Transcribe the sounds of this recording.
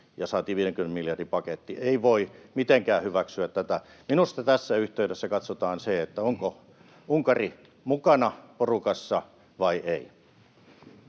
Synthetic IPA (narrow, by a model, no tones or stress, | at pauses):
jɑsɑːt̪iːʋiːɾeŋkymenemiljɑrdipɑket̪ːieiʋoimit̪eŋkæːhyʋæksyæt̪tæt̪æ | minust̪ɑt̪æsːæyht̪eyɾesːækɑt̪sot̪ɑːnseet̪ːæoŋko | uŋkɑri | mukɑnɑporukɑsːɑ | ʋɑiʔei